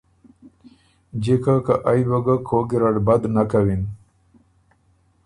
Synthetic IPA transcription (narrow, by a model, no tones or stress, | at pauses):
d͡ʑekakaʔajbaɡakʰoɡiɾaɽbad̪nakawin